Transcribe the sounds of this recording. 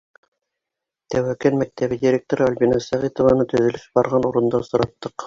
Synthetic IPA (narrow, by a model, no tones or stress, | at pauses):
t̪æwækænmæk̚t̪æβɘdʲiɾʲek̚t̪oɾɤalʲbʲinɑsæʁit̪ŏvɑnɤt̪ɵ̆ðɵ̆lɘsbɑɾʁɑnuɾɤ̆nd̪ɑsŏɾɑt̪ːɤq